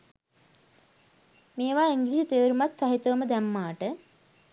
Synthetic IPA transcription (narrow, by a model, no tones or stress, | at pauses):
meːʋaːiŋɡilisut̪eʋɾumat̪saɦit̪oʋməd̪æmːaːʈə